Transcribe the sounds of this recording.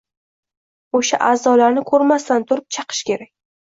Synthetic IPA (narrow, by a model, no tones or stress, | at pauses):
oʃaʔaːzɒlaɾnɪkʰɵɾmast̪ant̪ʰʊɾɪp̚t͡ʃʰɑqʰɨ̥ʃkʲe̞ɾakʲ